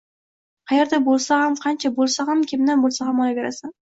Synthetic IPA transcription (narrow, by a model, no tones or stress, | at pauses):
qʰɑjeɾd̪abolˠsahamqʰɑnt͡ʃʰabolˠsahamkʲʰemd̪anbolˠsahamɒjaɡʲaɾasan